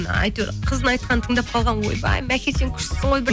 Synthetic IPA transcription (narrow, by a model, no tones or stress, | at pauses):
nə̰ɑ̰jt̪eɾqʰəznɑjt̪̚qʰɑnət̪ʰəɴd̪ɑp̚qʰɑlˠʁɑnwo̞̰jbɑ̰jmækʲʰeseŋkʲʰʏ̥ʃsɪsəɴojbɪ